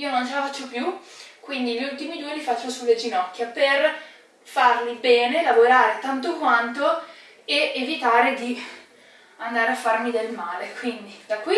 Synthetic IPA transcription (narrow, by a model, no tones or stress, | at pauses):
iːonont͡ʃelafat͡ʃːopjukwind̪iʎːult̪imid̪uːelifat͡ʃːosulːed͡ʒinɔkːjaper | farlibɛːnelavoɾaːɾet̪ant̪okwant̪o | eevit̪aːɾed̪i | and̪aːɾeafːarmid̪elmaːlekwind̪id̪akːwi